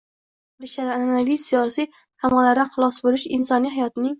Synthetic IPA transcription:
bɾɪʃad̪aananavijsijɒsij | t̪ʰamɑlaɾd̪anχʊlˠɒsbolɪʃɪnsɒnijɦajɒt̪ɪnɪŋ

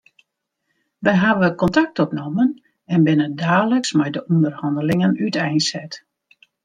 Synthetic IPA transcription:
ʋɛjɦaʋəkɔntak̚tɔpnɔmən | ɛnbɪnədaːləksmɛjdəʔundərhɑndəlɪŋənytɛjnsɛt

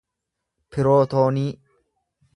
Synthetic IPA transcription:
pɪɾo̞ːt̪oːniː

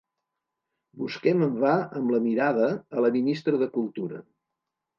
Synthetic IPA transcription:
buskɛməmbaəmləmiɾaðəːləminist̪ɾəðəkulˠt̪uɾə̰

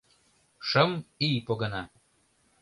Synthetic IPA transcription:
ʃə̆mipoɣənɑ

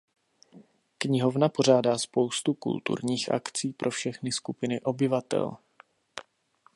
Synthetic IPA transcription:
kɲɪɦo̞vnapo̞ʒ̝aːdaːspo̞wst̪ukṵlt̪ṵɾɲiːxʔa̰kt͡siːpɾʔo̞fʃɛxnɪskupɪnɪʔo̞bɪvat̪ɛ̰l

